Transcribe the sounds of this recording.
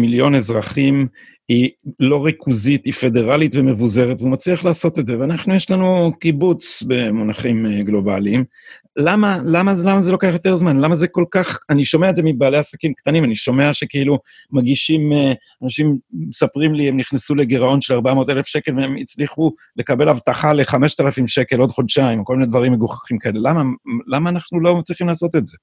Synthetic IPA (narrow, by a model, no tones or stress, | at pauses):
miljo̞nezʁaχim | ilo̞ʁikʰuzit̪ife̞de̞ʁalitveme̞vuze̞ʁet̪veumat͡sliaχlaːso̞t̪etze̞veanaχnujeʃlanukibut͡sbe̞monaχimɡlo̞ba̰lim | lamalamazlamazelo̞keaχjo̞t̪e̞ʁzmanlamaze̞ko̞lkaχaniʃo̞meaedzemibaːle̞asakimkt̪animaniʃo̞me̞aʃe̞keilu | maɡiʃim | anaʃimesapʁimliemniχnesule̞ɡiʁao̞nʃelaʁbamo̞t̪ele̞fʃe̞ke̞lveemit͡sliχu | le̞kabe̞lavt̪aχale̞χame̞ʃt̪alafimʃe̞ke̞lo̞d̪χo̞d̪ʃaimokolminedvaʁimːeɡuχḁχimkae̞le̞lamalamaːnaχnulo̞mat͡sliχimlaːso̞t̪etze̞